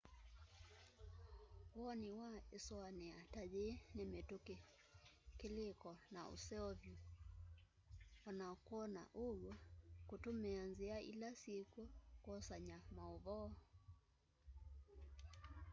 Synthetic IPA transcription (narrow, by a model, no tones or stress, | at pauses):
wɔniwaeswanɛatad͡ʒenemetoke | kelekɔnao̰sɛɔvju | anakwɔna̰ʔoɣwɔkotomɛanzeaʔḭlasjekwɔkwɔsaɲamaoβɔ